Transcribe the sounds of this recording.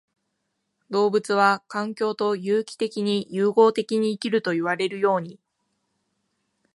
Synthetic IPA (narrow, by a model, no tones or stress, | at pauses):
d̪o̞ːbɯ̟t͡sɨβakãŋkʲo̞ːt̪o̞jɯːkʲi̥t̪e̞kʲiɲ̟ijɯːɡo̞ːt̪e̞kʲiɲ̟iːkʲiɾɯ̟t̪o̞iβ̞aɾe̞ɾɯ̟jo̞ːɲ̟i